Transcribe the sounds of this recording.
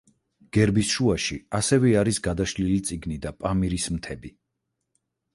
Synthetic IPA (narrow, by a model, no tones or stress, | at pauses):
ɡ̥ɛɾbisʃuaʃiasɛvɛaɾisɡad̪aʃlilit̪sʼiɡnid̪apʼamiɾismt̪ʰɛbi